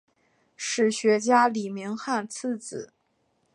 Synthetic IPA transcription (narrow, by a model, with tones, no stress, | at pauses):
ʂɻ̩˥˩ɕɥɛ˧˥t͡ɕja˥li˨˩mi˧˥ŋxa˥˩nt͡s̩ʰ˥˧t͡sɹ̩˨˩˦